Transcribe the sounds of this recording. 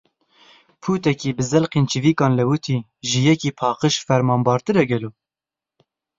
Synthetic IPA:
pʰuːt̪ɛkiːbɨzɛlqeːnt͡ʃiviːkɑːnlɛwut̪ʰiː | ʒɨjɛkiːpʰɑːqəʃfɛɾmɑːmbɑːɾt̪ɨɾɛɡɛloː

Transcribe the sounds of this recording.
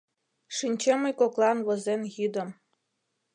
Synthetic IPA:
ʂinʲt͡ɕemə̆jkoklˠɑnβɤ̆zenɣid̪ə̆m

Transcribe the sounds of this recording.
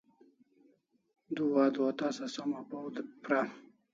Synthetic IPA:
d̪uwaːd̪uat̪asasamapawd̪pɾa

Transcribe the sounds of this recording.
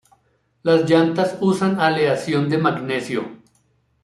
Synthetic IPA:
lazd͡ʒant̪asusanaleasjond̪e̞maɡnesjo̰

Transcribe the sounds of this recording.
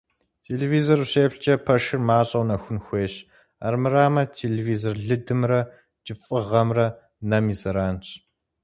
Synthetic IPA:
tʰeːleːviːzorɕeːpɬt͡ʃʼɐpʰɐʂɨrmaːɕʼɐwnɐxʷʊnxʷeːɕ | a̰rmɨraːmɐtʰeːleviːzorɮɨdɨmrɐ | d͡ʒʼɪfʼɨʁɐmrɐ | nɐmiːzɐɾaːnt͡ʃʰ

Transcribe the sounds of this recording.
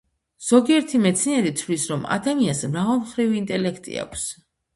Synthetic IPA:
z̥ɔɡiɛɾt̪ʰimɛt̪sʰnɛɾit̪t̪ʰlisɾɔma̰d̪amiasmɾavɛlˠmχɾiviːnt̪ʼɛlɛkʰt̪ʼḭa̰kʷʰs

